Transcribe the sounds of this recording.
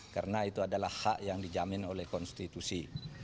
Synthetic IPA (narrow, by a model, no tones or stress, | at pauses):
ka̰rnait̪uadalahːaʔjaŋdid͡ʒamɪnolɛhkɔnst̪it̪usi